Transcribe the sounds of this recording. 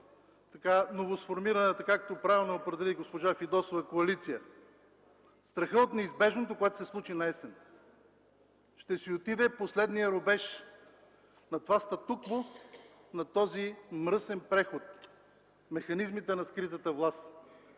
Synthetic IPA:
t̪ɐkanovosfoɾmiɾɐnɛt̪ɐkakt̪opɾavʲilˠnɛopɾɛd̪ɛliɡospoʒafid̪ɔsovɐkoɐlit̪sijə | st̪ɾɐxəot̪nɛizbɛʒnot̪okoɛt̪ʊ̥sɛslˠut͡ʃinɐɛsɛn | ʃt̪ɛsiot̪id̪ɛposlɛd̪nijəɾobɛʃ | nɐt̪vast̪ɐt̪uklo | nɐt̪ɔzimɾɤsɛnpɾɛxot̪̚ | mɛxɐnizmit̪ɛnɐskɾit̪ət̪əvlˠas

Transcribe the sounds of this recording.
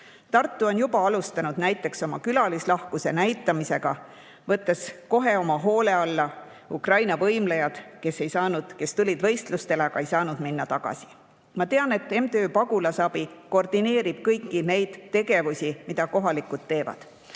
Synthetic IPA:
t̪ɑrt̪ːuo̞njubɑɑlust̪ɑnud̪̥næjt̪ːˑe̞kso̞mɑkylɑlislɑhkuse̞̰næjt̪ːˑɑmise̞ɡ̥ɑ̰ | vɤt̪ːˑe̞sko̞ɦe̞o̞mɑɦo̞ːle̞ɑlːɑ | ukrɑjnɑvɤjmlejɑd̪̥ke̞se̞jsɑːnud̪̥ke̞st̪ulʲid̪vɤ̞jst̪lust̪e̞leɑɡ̥ɑe̞jsɑːnud̪̥minːɑt̪ɑɡ̥ɑ̰si̥ | mɑt̪e̞ɑne̞t̪ːˑe̞mt̪eøːpɑɡulɑsɑbiko̞rd̪̥ine̞ːɾib̥̚kɤjkːine̞jd̪̥t̪ːe̞ɡe̞vusimid̪̥ɑko̞ɦɑlikut̪ːe̞ːvɑ̰d̪̥

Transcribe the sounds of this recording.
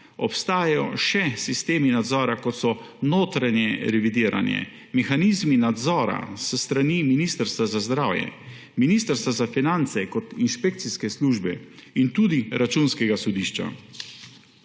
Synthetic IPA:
ɔpst̪aːjajɔʃɛsist̪eːminad̪zɔːɾakɔt̪sɔ | noːt̪ɾanjɛɾɛʋid̪iːɾʔa̰njɛ̰ | mɛxanizminad̪zɔːɾa̰səst̪ɾaniminist̪əɾst̪ʋazazd̪ɾaːwjɛ̰ | miniːst̪əɾst̪ʋazafinant̪sɛkɔt̪inʃpek̚t̪siskɛsluːʒbɛint̪uːd̪iɾat͡ʃunskɛɡasɔd̪iːʃt͡ʃa̰

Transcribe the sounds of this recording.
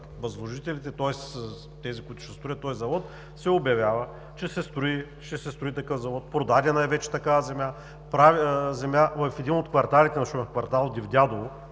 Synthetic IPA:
vɐzlˠoʒit̪ɛlit̪ɛt̪ɔɛs | t̪ɛzikʊit̪ʊ̥ʃt̪ɛst̪ɾʊət̪ːɔjzɐvɔt̪ | sɛobjɐvʲjavə | t͡ʃɛsɛst̪ɾʊi | ʃɛsɛst̪ɾʊit̪ɐkɤfzɐvɔt̪̚pɾod̪ad̪ʲɛnaɛjvɛt͡ʃɛ̥t̪ɐkavɐzɛmʲa | pɾavzɛmjavɐfɛd̪inot̪kvɐɾt̪alit̪ɛnɐʃumɛfkvɐɾt̪alˠd̪ivd̪ʲad̪olˠo

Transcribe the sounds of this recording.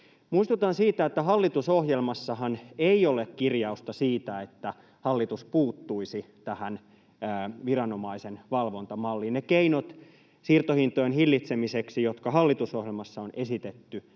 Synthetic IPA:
muist̪ut̪ɑnsiːt̪æet̪ːæhɑlːit̪usohjelmɑsːɑɦɑneiolekkirjɑust̪ɑsiːt̪æet̪ːæ | hɑlːit̪uspuːt̪ːuisit̪æhænː | ʋirɑnomɑisenʋɑlʋont̪ɑmɑlːinnekeinot̪ | sirt̪ohint̪ojenhilːit̪semiseksijot̪kɑhɑlːit̪usoɦjelmɑsːɑonesit̪et̪ːy

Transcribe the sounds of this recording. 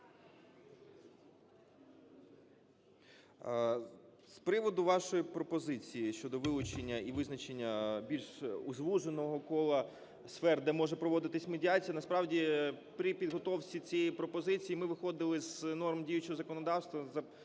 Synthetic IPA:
spɾɪʋɔd̪ʊʋɑʃɔjipɾɔpɔzɪt͡sʲijiʃt͡ʃɔd̪ɔʋɪlˠʊt͡ʃenʲːɐiʋɪznɐt͡ʃenʲːɐbʲilʲʃuzʋuʒenɔɦɔkɔlˠɐ | sfɛrd̪ɛmɔʒɛpɾɔʋɔd̪ɪt̪ɪsʲmedʲiɑt͡sʲijɐnɐspɾɑwdʲipɾʲipʲid̪ɦɔt̪ɔwt͡sʲit͡sʲijipɾɔpɔzɪt͡sʲijimɪʋɪxɔd̪ɪlˠɪznɔrmdʲijʊt͡ʃɔɦɔzɐkɔnɔd̪ɑwst̪ʋɐzɐ

